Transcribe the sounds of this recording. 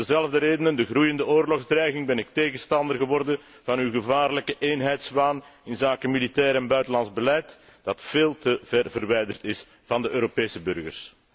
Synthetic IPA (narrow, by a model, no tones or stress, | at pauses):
əzɛlˠəvdəɾeːdənəndəɣrujəndəoːrlɔɣzdrɛjɣɪŋbɛnɪk̚teːɣənstɑndərɣəʋɔrdən | vɑnyɣəvaːrləkəʔeːnɦɛjtsbaːnɪnzaːkəmilitɛːɾɛnbœɥtəlɑnzbəlɛjt | d̥ɑtfeːlˠtəvɛrvərʋɛjdərtɪs | vɑndəʔøːɾopeːsəbʏrɣə̰rs